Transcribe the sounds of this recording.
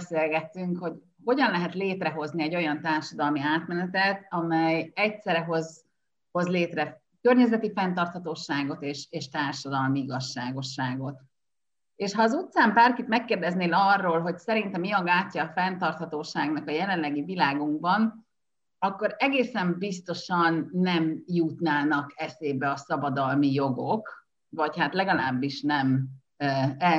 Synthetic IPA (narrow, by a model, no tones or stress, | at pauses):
seːlɡɛt̪ːyŋkho̞ɟ | ho̞ɟɒnlɛɦɛt̪leːt̪rɛɦo̞zniɛɟo̞jɒnt̪aːrʃɒd̪ɒlmiaːt̪mɛnɛt̪ɛt̪ɒmɛjɛcsɛɾɛɦo̞z | ho̞zleːt̪rɛ | kørɲɛzɛt̪ifɛnt̪ɒrt̪hɒt̪oːʃaːɡo̞t̪eːʃeːʃt̪aːrʃɒd̪ɒlmiiɡɒʃːaːɡo̞ʃːaːɡo̞t̪ | eːʃhɒːzut̪saːmbaːrkit̪mɛkːeːrd̪ɛzneːlɒrːoːlɦo̞csɛɾint̪ɛmiɒɡaːcːɒːfɛnt̪ɒrt̪hɒt̪oːʃaːɡnɒkɒjɛlɛnlɛɡivilaːɡuŋɡ̚bɒn | ɒkːo̞ɾɛɡeːsɛmbist̪o̞ʃɒnːɛmjut̪naːnɒkɛseːbɛɒsɒbɒd̪ɒlmijo̞ɡo̞k | vɒchat̪lɛɡɒlaːbːiʃnɛm | ɛ